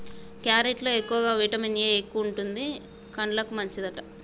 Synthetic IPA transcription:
kjaːɾeʈloːekːuʋɐɡaːʋiːʈɐminijeːkːuʋuɳʈund̪i | kɐɳɖlɐkumɐɲt͡ʃid̪ɐʈɐ

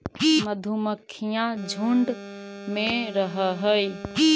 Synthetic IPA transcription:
məd̪ʱuməkʰːijãd͡ʒʱuɳɖmeɾəɦəɦəj

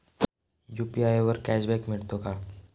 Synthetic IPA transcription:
juːpiaːjeʋəɾkɛːʃbɛːkmɪɽt̪okaː

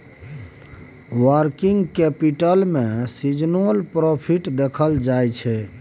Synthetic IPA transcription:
wəɾkiŋɡkɛpiʈəlmẽsid͡ʒnolpɾopʰiʈd̪ekʰəld͡ʒajt͡ʃʰɛ

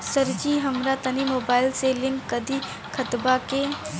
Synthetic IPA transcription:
səɾd͡ʒiɦəmɾat̪ənimoːbaːɪlselɪ̃ŋkːəd̪ʱi | kʰət̪bake

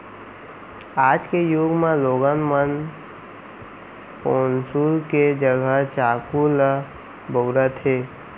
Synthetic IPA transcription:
aːd͡ʒkejuɡmẽloɡənmən | koːnsulked͡ʒəɡʱət͡ʃakul | boʊɾət̪ʰɦeː

